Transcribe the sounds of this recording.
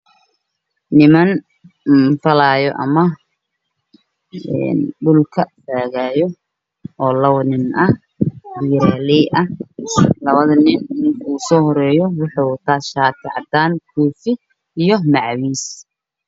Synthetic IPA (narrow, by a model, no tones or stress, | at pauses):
nɪmɐn | fɐlaːjɔʔɐ̰mɐ | ɛ̰nɖʊlkʰɐfaːɣaːjɔ | ʔɔːlɐwnɪnɐ | biːɾaːlɛjʔɐhlɐβɐðɐnɪnːɪnkuːsɔːɦɔɾɛːjɔwɑħɑwt̪ʰaːʃaːt̪ʰɑ̰ʕɑd̪aːnkʰuːfɪ | ijɔmɑʕwiːs